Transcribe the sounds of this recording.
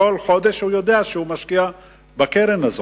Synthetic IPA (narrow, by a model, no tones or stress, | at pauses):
olχo̞d̪e̞ʃhujo̞d̪eaʃehumaʃkia | bakeɾenazo